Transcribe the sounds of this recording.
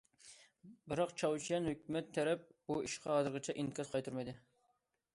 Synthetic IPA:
bɪɾɑqt͡ʃʰɑwt͡ʃʰijɛnhøkʲmɛt̪ʰːɛɾɛp̚buiʃqʰɑɦɑːzɨɾʁɨt͡ʃʰɛʔinkʰʲɑzqʰɑjt̪ʰuɾmɪjd̪ɪ

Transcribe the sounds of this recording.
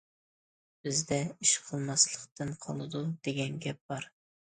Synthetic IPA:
b̥ɪzd̪ɛiʃqʰəlˠmɑslˠəqt̪ɨnqʰɑlˠɨd̪ud̪̥eɡʲɛnɡʲɛp̚b̥ɑɾ

